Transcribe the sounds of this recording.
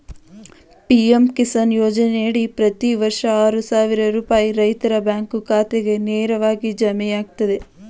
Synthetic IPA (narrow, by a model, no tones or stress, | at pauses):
piemkisɐnjoːd͡ʒɐneɽipɾɐt̪iʋɐɾʂɐaːɾusaːʋiɾɐɾuːpaːjiɾɐjt̪ɐɾɐbjaːŋkukaːt̪eɡe̞neːɾɐʋaːɡid͡ʒɐmɛjaːɡ̚t̪ɐd̪e̞